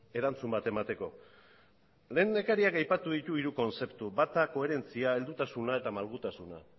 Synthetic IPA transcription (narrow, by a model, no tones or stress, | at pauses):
e̞ɾant͡sumbat̪e̞mat̪e̞ko̞ | le̞ːne̞kaɾiakajpat̪uðit̪uiɾuko̞nse̞pt̪uβat̪ako̞e̞ɾe̞nt͡siae̞ld̪ut̪asunae̞t̪amalɣut̪asuna̰